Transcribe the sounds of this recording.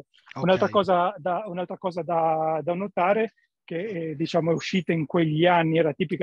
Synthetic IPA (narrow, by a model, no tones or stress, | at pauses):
unalt̪ɾakɔːzad̪aunalt̪ɾakɔːzad̪ad̪anot̪aːɾe | k̟ed̪it͡ʃaːmoɛuʃːiːt̪eiŋkweʎːianːiɛːɾat̪iːpik